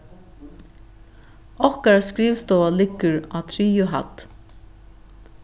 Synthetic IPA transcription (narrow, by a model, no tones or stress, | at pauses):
ɔhkaɾaskɹiːvst̪ɔːalɪkːəɹat̪ʰɾiːʊɦa̰t̪